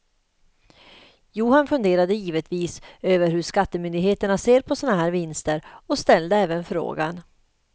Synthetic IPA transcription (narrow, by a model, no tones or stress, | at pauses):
juːhanfɵnd̪eːɾad̪əjiːvət̪viːsøːvəɾhɵʂkat̪ːəmʏnd̪ɪɡheːt̪əɳaseːɾpʰɔsɔːnaɦæːɾvɪnst̪əɾɔst̪ɛld̪əɛːvənfɾo̰ːɡa̰n